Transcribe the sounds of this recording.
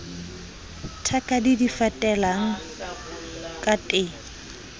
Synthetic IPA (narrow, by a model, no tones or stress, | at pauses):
tʰakʼadidifatʼɛlaŋ̩ | kʼatʼe